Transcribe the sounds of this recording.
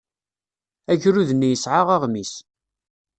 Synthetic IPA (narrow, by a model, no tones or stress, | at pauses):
æʝɾuðənːijəsʕaʁaʁmis